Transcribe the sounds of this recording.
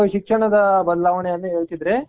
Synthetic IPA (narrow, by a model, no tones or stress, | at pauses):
ʃikʂɐɳɐd̪ɐbɐd̪laːʋɐɳeɐnːɐɦeːɭt̪id̪ɾe̞